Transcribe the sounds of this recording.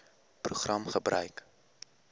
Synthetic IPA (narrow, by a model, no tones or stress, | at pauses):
pruχrɐmχəbrœɥk